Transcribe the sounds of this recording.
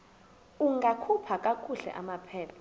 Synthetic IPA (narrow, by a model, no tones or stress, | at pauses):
uŋɡakʰupʰakʼakʼuɬɛ̰ʔamapʰɛːpʰɔ̥